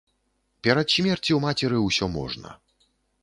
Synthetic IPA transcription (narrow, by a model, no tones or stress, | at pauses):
pʲɛɾɐt̪ɕʲmʲɛrt͡sʲiwmat͡sʲɛɾɨwsʲɔmɔ̰ʐnɐ̰